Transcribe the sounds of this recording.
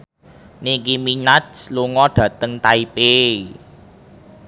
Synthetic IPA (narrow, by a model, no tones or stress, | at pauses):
nikiminadsluŋɔɖ̪̥ä̤t̪əŋt̪aipe